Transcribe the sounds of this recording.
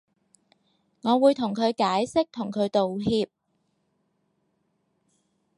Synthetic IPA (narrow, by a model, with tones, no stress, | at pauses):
ŋɔː˨˧wuː˨˧jt̪ʰʊ˨˩ŋkʰɵ˨˧ɥkaː˨˥jsɪ˥k̚t̪ʰʊ˨˩ŋkʰɵ˨˧ɥt̪o˨wɦiː˧p̚